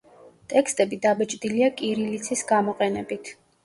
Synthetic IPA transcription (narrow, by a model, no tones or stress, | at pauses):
t̪ʼɛkst̪ʼɛbid̪abɛt͡ʃʼd̪iliakʼiɾilit̪sʰisɡamɔqʼɛnɛbit̪ʰ